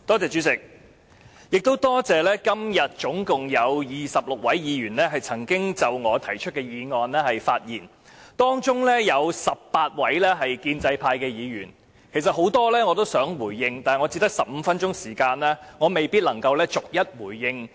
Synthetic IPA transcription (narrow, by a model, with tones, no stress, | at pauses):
t̪ɔː˥t͡sɛː˨t͡ʃy˨˥t͡sɪ˨k̚ | jɪ˨k̚t̪o˥wt̪ɔː˥t͡sɛː˨lɛː˥kɐ˥mjɐ˨t̚t͡ʃʊ˨˥ŋkʊ˨ŋjɐ˨˧wjiː˨sɐ˨p̚lʊ˨k̚wɐ˨˥jjiː˨˧ɥyː˨˩nlɛː˥ɦɐ˨jt͡sʰɐ˨˩ŋkɪ˥ŋt͡sɐ˨˩wŋɔː˨˧t̪ʰɐ˨˩jt͡ʃʰɵ˥t̚kɛː˧jiː˨˧ŋɔː˨nlɛː˥hɐ˨jfaː˧t̚jiː˨˩n | t̪ɔː˥ŋt͡ʃʊ˥ŋlɛː˥jɐ˨˧wsɐ˨p̚paː˧t̚wɐ˨˥jlɛː˥ɦɐ˨jkiː˧nt͡sɐ˧jpʰaː˧jkɛː˧jiː˨˧jyː˨˩n | kʰe˨˩jsɐ˨t̚ɦo˨˥wt̪ɔː˥lɛː˥ŋɔː˨˧t̪o˥wsœː˨˥ŋwuː˨˩jːɪ˧ŋt̪aː˨ŋɔ˨˧t͡si˧t̪ɐ˥k̚sɐ˨p̚m̩˨˧fɐ˥nt͡ʃʊ˥ŋsiː˨˩kaː˧nlɛː˥ŋɔː˨˧me˨jpiː˥t̚lɐ˨˩ŋkɐ˧wlɛː˥t͡sʊ˨k̚jɐ˥t̚wuː˨˩jːɪ˧ŋ